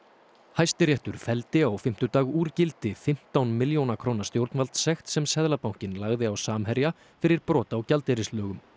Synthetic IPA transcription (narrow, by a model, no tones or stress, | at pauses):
hajst̪ɪɾjɛht̪ʏɾ̥fɛlt̪ɪaɔɣfɪm̥t̪ʏt̪aːɣuːɾcɪlt̪ɪfɪm̥t̪awnmɪljownakʰɾownḁst̪jowɾt̪nvalt̪sɛxt̪sɛmsɛðlapawŋ̥cɪnlaɣðɪawsaːmɦɛɾja | fɪɾɪɾpɾɔːt̪aːwcalt̪ɛɾɪslœːɣʏm